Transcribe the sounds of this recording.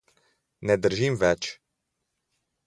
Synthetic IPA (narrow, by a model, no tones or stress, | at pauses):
nɛd̪əɾʒimvɛt͡ʃ